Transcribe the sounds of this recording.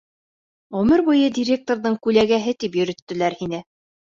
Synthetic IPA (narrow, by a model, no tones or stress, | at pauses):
ʁɵ̆mɘɾbujɤdʲiɾʲe̞k̚t̪oɾðɤɴkʉlæɡæɦɘt̪ipjɵ̆ɾɵ̆t̪ːɘ̆læɾhinɘ